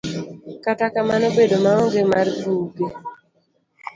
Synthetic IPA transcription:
katakamanobedomaɔŋɡemarbuɡe

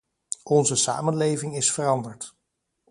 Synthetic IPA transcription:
ʔɔnzəsa̰ːmənlejvɪŋɪsfərɑndəɹt

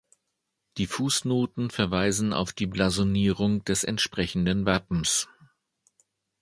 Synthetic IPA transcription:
d̥iːfuːsnoːtn̩fɛɐvaɪzn̩a̰ʊfd̥iːblazoniːʁʊŋd̥ɛsɛ̰ntʃpʁ̥ɛçn̩dənvapm̩s

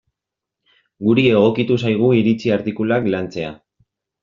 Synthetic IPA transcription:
ɡuɾie̞ɣ̞o̞kit̪usajɣ̞uiɾit͡siaɾt̪ikulaklant͡se̞a

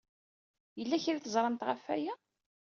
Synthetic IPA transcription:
jəlːæçiɾiθəzˤɾˤɑmt̪ʁafːæ̰jæ

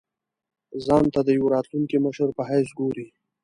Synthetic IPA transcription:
zɑnt̪ad̪əjawɾɑt̪luŋkiməʃəɾpəɦajs̬ɡoɾi

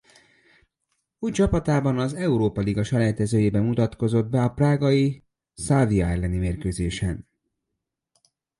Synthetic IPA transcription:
uːjt͡ʃɒpɒt̪aːbɒnɒzɛuɾoːpɒliɡɒʃɒlɛːt̪ɛzøːjeːbɛmut̪ɒt̪ko̞zo̞d̪̚bɛɒpraːɡɒji | salviɒɛlːɛnimeːrkøːzeːʃɛn

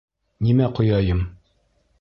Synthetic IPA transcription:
nimæqŏjɑjɤm

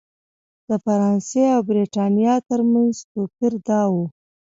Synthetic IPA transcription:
d̪̥əfaɾɑnseawbɾeʈɑnijɑt̪əɾmanzt̪okiɾd̪ɑwu

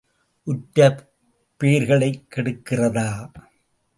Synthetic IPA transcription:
ʔʊʈːɐ | pːeːɾɣɐɭɐɪkːɛɽɯkːɪrɐðaː

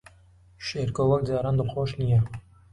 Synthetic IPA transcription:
ʃeɾkowɐk̚daːɾaːnd̪ɨlxoːʃnijɛ

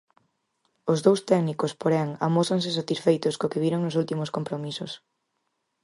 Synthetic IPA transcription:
ʊzðowst̪ɛknikʊspoɾɛŋa̰mosaŋs̬ɪs̬at̪isfejt̪ʊskokɪβiɾoŋnʊsult̪imʊskompɾomisʊs

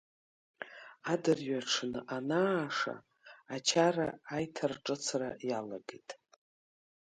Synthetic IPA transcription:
adɨrɥaʈ͡ʂʰnɨʔanaːʂa̰ː | t͡ʃʰaraːjtʰarʈ͡ʂʼɨt͡sʰra̰jalaɡejtʼ

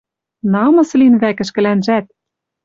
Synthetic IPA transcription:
nɑmɤ̆slinβækɘ̆ʃkɘ̆lænʒæt̪̚

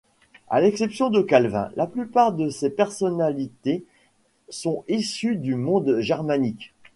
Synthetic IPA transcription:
a̰lɛksɛpsjɔ̃d̪əkalvɛ̰̃laplypaʁd̪əsepɛʁsɔnalit̪e | sɔ̃isyd̪ymɔ̃d̪ʒɛʁmanik

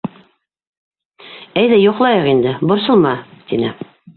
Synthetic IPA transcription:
æjðæjuqlˠɑjɤqind̪ɘbŏɾsɤ̆lˠmɑt̪inɘ

